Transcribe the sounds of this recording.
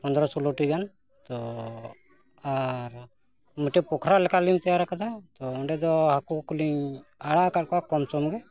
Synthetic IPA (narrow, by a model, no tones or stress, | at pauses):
pɔnd̪ɾɔsɔloʈiɡan | t̪ɔ | aɾ | muʈɛpɔkʰɾalɛkalint̪ɛjaɾakad̪at̪ɔɔɳɖɛd̪ɔhakukuliɲaɽakaʈ̚kɔakɔmsɔmɡɛ